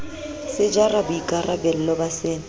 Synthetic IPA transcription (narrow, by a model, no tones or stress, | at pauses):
sɪd͡ʒarabʊikʼarabɛl̩lɔbasɪːŋ̩